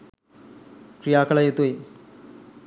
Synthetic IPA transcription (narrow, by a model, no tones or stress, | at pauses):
kɾijaːkɐlɐjot̪uj